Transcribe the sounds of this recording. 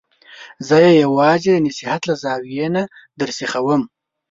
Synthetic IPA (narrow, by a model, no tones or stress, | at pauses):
zəjejawɑːzed̪nisihat̪lazɑːwijena | d̪əɾsixawəm